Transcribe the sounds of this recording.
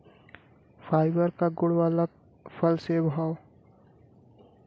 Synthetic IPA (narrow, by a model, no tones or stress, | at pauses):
fʰaːɪbəɾkaɡʊɽʋaːla | pʰəlsebʱaːw